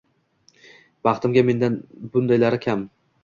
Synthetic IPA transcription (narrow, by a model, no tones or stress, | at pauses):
bɑχt̪ɪmɡʲame̞nd̪anbʊnd̪ajlaɾɪkʲʰam